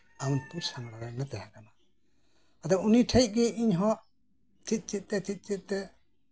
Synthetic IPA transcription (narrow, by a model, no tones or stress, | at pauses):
awnpuɾsaŋɡɽaɾanat̪ɛɦakana | ad̪ɔuniʈʰajt̪̚ˀɡɛʔiɲɦɔʔ | t̪ʰit̪̚ˀt͡ʃit̪̚t̪ɛt̪ʰit̪̚t͡ʃit̪̚ˀt̪ɛ